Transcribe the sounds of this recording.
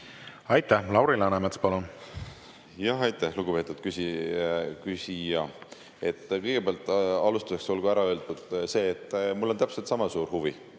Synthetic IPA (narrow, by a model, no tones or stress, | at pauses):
ɑjt̪ːˑæhlɑwɾilɑnemet̪spɑlun | jɑɦɑjt̪ːˑæhluɡ̥upe̞ːt̪ːˑud̪̥kysi | kysijɑ | e̞t̪ːˑkɤjɡepeɑlt̪ˑɑlust̪u̥se̞kso̞lɡ̥uæɾɑø̞ːld̪ud̪̥se̞ːet̪ːˑmulːo̞nt̪æpselt̪sɑmɑsuːɾhuvi